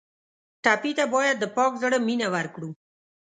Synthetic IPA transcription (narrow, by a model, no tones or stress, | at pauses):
ʈapit̪abɑjad̪ːəpɑkzəɽəminawaɾkɽu